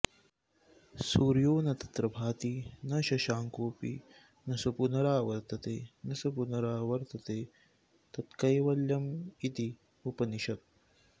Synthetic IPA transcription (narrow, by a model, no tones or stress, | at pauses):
suːɾjoːnɐt̪ɐ̥t̪ɾɐbʱaːt̪inɐʃɐʃaːŋkoːpḭ | nɐsɐpunɐɾaːʋɐɾt̪ɐt̪eːnɐsɐpunɐɾaːʋɐɾt̪ɐt̪eː | t̪ɐt̪kɐjʋɐljɐmit̪i | upɐniʃɐt̪̚